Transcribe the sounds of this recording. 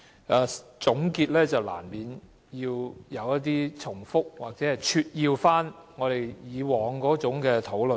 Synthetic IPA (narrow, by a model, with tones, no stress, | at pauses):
ʔaː˧t͡sʊ˨˥ŋkiː˧t̚lɛː˥t͡sɐ˨wla̰ː˨˩nmiː˨n | jiː˧wjɐ˨˧wjɐ˥t̚t̪̬iː˥t͡sʰʊ˨˩ŋfʊ˥k̚waː˨˩k̚t͡sɛː˨˥hɐ˨jt͡ʃʰyː˧t̚jiː˧wfaː˥nŋɔː˨˧ɾe˨˩jjiː˨˧wɔː˨˧ŋkɔː˨˥t͡sʊ˨˥ŋkɛː˧t̪ʰo˨˥wlɵ˨